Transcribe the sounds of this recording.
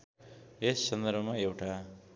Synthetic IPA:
esːʌnd̪ʌɾbʱʌmaewʈa

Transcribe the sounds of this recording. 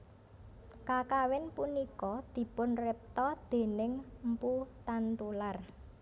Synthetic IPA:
kakawɪnpunikɔd̪̥i̤pʊnrɪp̚t̪ɔd̪̥e̤nɪŋm̩put̪ant̪ular

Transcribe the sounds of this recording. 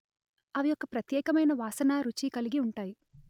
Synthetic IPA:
ɐʋijɔkːɐpɾɐt̪jɛːkɐmɐjnɐʋaːsɐnaːɾut͡ʃikɐliɡiuɳʈaːji

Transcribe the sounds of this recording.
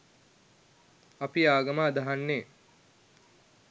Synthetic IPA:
ɐpiaːɡɐmaːd̪aɦanːeː

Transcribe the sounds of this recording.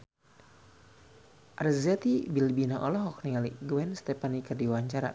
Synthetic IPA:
ʔarzɛt̪ibilbinaʔɔlɔɦɔknialiɡuɛnst̪ɛpanikɨrdiwaɲt͡ʃaɾa̰

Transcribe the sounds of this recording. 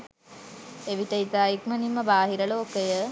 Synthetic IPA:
eʋit̪əit̪əːjikmənimːəbaːɦiɾəloːkəjə

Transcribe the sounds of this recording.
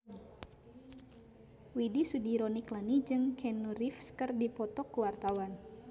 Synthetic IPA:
widisudiɾɔniklanid͡ʒɨŋkʰɛnuɾifskɨrdipɔt̪ɔkuwart̪awan

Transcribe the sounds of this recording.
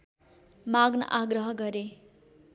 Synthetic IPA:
maɡnʌ̰ʔaɡɾʌɦʌɡʌɾe

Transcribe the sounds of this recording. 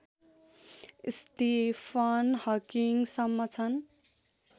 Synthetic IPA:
st̪ipʰʌnhʌkiŋsʌmːʌt͡sʰʌn

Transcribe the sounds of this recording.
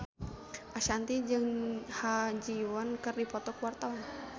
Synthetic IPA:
ʔaʃant̪id͡ʒɨŋhad͡ʒiwɔnkɨrdipɔt̪ɔkuwart̪awan

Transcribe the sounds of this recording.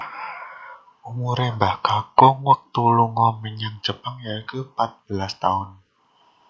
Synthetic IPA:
umuɾɛbahkakʊŋwək̚t̪uluŋɔməɲəŋt͡ʃəpəŋjaikupat̪̚b̥əlast̪aʊn

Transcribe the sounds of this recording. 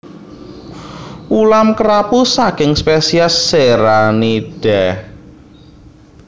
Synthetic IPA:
ʔulamkəɾapusakɪŋspesiasːeɾaniɖ̥ɛ

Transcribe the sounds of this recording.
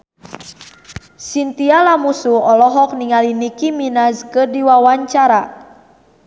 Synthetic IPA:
sint̪ialamusuɔlɔɦɔk̚niŋalinikiminaskədiwawaɲt͡ʃaɾa

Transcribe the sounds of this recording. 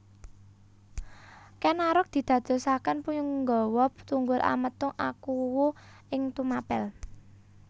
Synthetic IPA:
kɛnaɾʊk̚d̪̥i̤d̪̥ä̤d̪̥o̤sakənpujʊŋŋɡɔwɔp̚t̪uŋɡʊlʔa̰mət̪ʊŋʔakuwo | ɪŋt̪umapɛl

